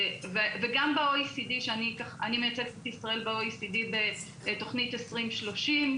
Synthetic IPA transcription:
veveɡambeojsidiʃeanikaχa̰nimejat͡sefet̪isʁae̞lbeoisidibe | to̞χnitesʁimʃloʃim

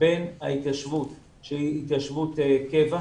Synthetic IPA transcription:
benha̰it̪aʃvut | ʃeiit̪jaʃvut̪ekeva

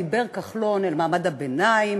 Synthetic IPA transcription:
ibeʁkaχlo̞nelmaːmad̪abenaim

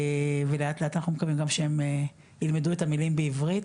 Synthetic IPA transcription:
veleat̪leatanaχnumekavimɡamʃeeme | ilmedue̞tamilimbeivʁit

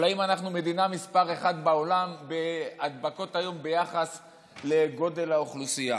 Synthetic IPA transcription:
laimanaχnume̞d̪inamispaʁeχad̪bao̞lambe̞ad̪bako̞t̪ajo̞mbe̞jaχas | le̞ɡo̞d̪e̞laoχlusija

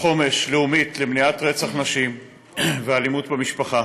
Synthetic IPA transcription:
χo̞me̞ʃleumit̪lemniat̪ʁet͡saχnaʃim | vealimut̪bemiʃpaχa

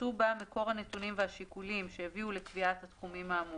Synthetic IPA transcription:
ubameko̞ʁhanetunimveɦaʃikulimʃe̞javiulekviathat̪χumimhaːmu

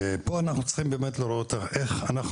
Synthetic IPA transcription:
epoanaχnut͡sχimbeːmetloɾot̪aʔeχanaχ

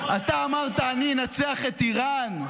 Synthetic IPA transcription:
at̪aːmaʁt̪aːninat͡seaχet̪iʁan

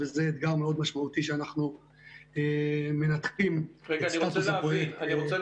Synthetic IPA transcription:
vezeːd̪ɡaʁmeo̞d̪maʃmaut̪iʃeanaχnu | eme̞nat̪kimaiat̪seapoeniot͡se

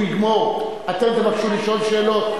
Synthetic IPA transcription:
iɡmoʁ | at̪emzemaχʃuliʃo̞lʃeːlot̪̚

